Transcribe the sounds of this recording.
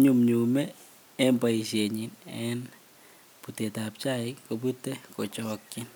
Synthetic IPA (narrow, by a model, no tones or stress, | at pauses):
ɲumɲumɛː | mbaiʃeɲinɛn | putetap̚t͡ʃaɪkop̬ut̪ːekot͡ʃɔkːɪn